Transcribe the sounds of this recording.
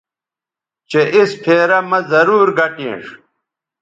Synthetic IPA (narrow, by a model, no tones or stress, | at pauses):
t͡ɕeʔispʰeːɾɐmɐzɐɾuːɾɡɐʈḭ̃ːʂ